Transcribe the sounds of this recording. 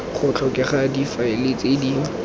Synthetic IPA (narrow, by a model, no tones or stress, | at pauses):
χʊt͡ɬʰɔkʼɪχadifaɪlet͡sʼedi